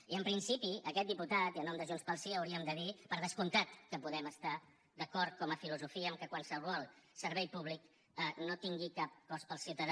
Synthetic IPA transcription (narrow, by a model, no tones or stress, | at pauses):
iəmpɾinsipiəkɛt̪̚d̪iput̪at̪iənɔmd̪əʒunspəlˠsiəwɾiəmd̪əðipəɾð̞əskunt̪at̪kəpuðɛməst̪a | d̪əkɔɾt̪̚kɔməfiluzufiəːmkəkwansərwɔlˠsəɾβɛjpuβlik | ənot̪iŋɡikap̚kɔspəlˠsiuwt̪əð